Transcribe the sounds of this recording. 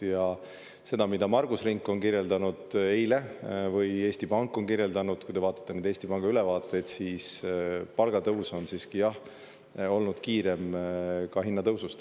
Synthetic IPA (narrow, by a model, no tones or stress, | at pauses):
jɑ | se̞d̪̥ɑmid̪̥ɑmɑrɡ̥usriŋkːˑo̞nkirje̞ld̪ɑnud̪̥e̞jle̞vɯje̞ːst̪ipɑŋkːˑo̞nkirje̞ld̪ɑnud̪̥̚kujd̪e̞vɑːt̪ːˑɑ̥t̪ːenend̪eːst̪ipɑŋɡ̥ɑyle̞vɑːt̪ːˑe̞jd̪siːspɑlɡ̥ɑt̪ɤwso̞nsiːskijɑh | o̞lnud̪̥kiːɾe̞mkɑɦinːɑt̪ɤwsust̪